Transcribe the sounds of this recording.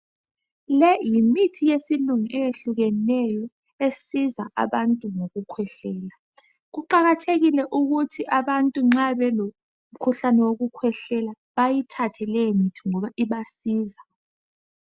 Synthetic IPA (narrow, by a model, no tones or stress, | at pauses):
lɛjimitʰijesiluŋiʔɛjeɬuɣɛnɛjɔ | esizaʔa̰βantʼuŋoɣukʰwɛɬɛːla | ɣuǃaɣatʰeɣilɛʔuɣutʰiʔaβantʼuŋ͡ǁaβɛlo | m̩kʰuɬanɛwoɣukʰwɛɬɛla | βajitʰatʰɛlɛjmitʰiŋɔβaʔiβasiːza